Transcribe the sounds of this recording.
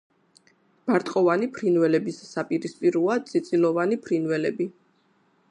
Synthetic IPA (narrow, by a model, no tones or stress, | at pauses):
b̥aɾt̪ʼqʼɔvanipʰɾinvɛlɛbisːapʼiɾispʼiɾuad̪sʼit̪sʼilˠɔvanipʰɾinwɛlɛbi